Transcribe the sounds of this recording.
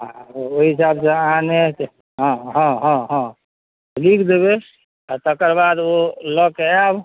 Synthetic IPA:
aoɦisabseanet͡ʃ | ɦɔ̃ɦɔ̃ɦɔ̃ɦɔ̃ | likʰd̪eβe | at̪əkəɾbad̪olɔkeab

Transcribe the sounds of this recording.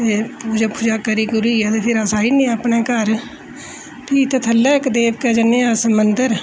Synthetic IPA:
epuːd͡ʒapʰʊd͡ʒaːkəɾiɡʊɾuiɛt̪epʰɪɾəsaːinĩəpneːkəɾ | pʰiːt̪ət̪ʰəlːɛːkd̪eːbked͡ʒənjasəmənd̪əɾ

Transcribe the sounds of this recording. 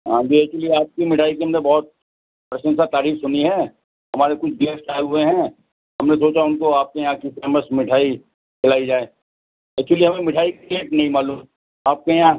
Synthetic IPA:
ɦã̰ːd͡ʒiɛk̚t͡ʃuəliaːp̚kimɪʈʰaːikemnebɔːt̪̚ | pɾɐʃə̃nsat̪aːɾiːksʊniɦɛ̃ː | ɦɐmaːɾekʊt͡ʃʰbiəsʈaːeɦʊeɦɛ̃ | ɦɐmnesoːt͡ʃaʊnkoaːp̚kejɐɦãkifeːməsmɪʈʰaːi | t͡ʃɐlaːid͡ʒaːeː | ɛːk̚t͡ʃʊwəliɦɐmẽmɪʈʰaːikkeːʈnɐɦĩmaːluːm | aːp̚kejɐã

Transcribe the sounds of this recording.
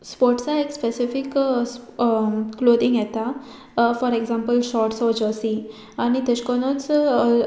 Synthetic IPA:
spɔɾʈsaekspesifiks | klod̪ĩŋɡjɛt̪a | fɔɾeɡzãmpəlʃɔɾʈsɔd͡ʑɔsi | anit̪et͡ɕkɔnɔt͡s

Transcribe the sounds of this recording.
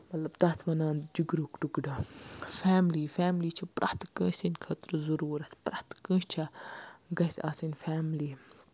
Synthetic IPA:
mɐt̪lɐbt̪ɐt̪ʰmɐnaːnd͡ʒuɡɾuːkɖuɡɖɐfaːmliːfaːmliːt͡ʃʰɐpɾʔɐ̰ht̪kə̃ːʃʲsinkʰɐt̪ɾzuɾuːɾɐspɾɐht̪kə̃ːʃt͡ʃʰɐɡɐsʲaːsinfaːmliː

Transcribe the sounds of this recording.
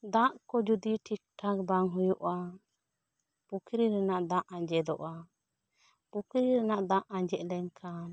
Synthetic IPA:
d̪ãʔkɔd͡ʒud̪iʈʰik̚ʈʰakbaŋɦujɔʔa | pukʰɾiɾɛnaʔd̪ãʔãɲd͡ʒɛd̪ɔʔa | pukʰɾiɾɛnaʔd̪ãʔãɲd͡ʒɛʔlɛɲkʰan

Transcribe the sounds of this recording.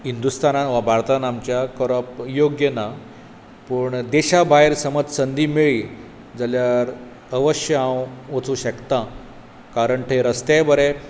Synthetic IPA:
ɦind̪ust̪anaʋabʱaɾt̪anamt͡ɕjakəɾəpjoɡjəna | puːɳd̪eɕabʱaeɾsəməd͡zsənd̪iːmeɭiː | d͡zaljaɾ | əʋəɕjəãwʋət͡sũːɕəkt̪ã | kaɾəɳʈ̪ʰeɾəst̪ebəɾɛ̃

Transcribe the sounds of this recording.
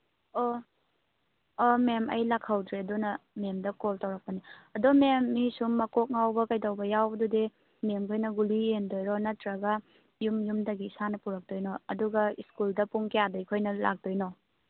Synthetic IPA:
o | memɐ̰jlakʰawdɾeɐdunɐmemdɐkoltawɾɐk̚pɐniɐdomemːisumːɐkok̚ŋawbɐkajtawbɐjawbɐdude | memkʰojnɐɡuliendojɾɔnɐtɾɐɡɐ | jumjumdɐɡisanɐpuɾɐk̚dojnɔɐduɡɐiskuldɐpuŋkejadɐjkʰojnɐla̰k̚dojnɔ

